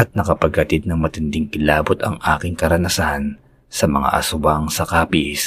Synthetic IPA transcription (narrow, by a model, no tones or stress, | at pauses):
ɐt̪̚nɐkɐpɐɡ̚hɐt̪id̪̚nɐŋmɐt̪ɪnd̪ɪŋʔɪlaːbot̪ɐ̰ŋʔa̰ːkɪŋkɐɾɐnɐsan | sɐmɐ̰ŋa̰ʔɐ̰sʊwaŋsɐkaːpis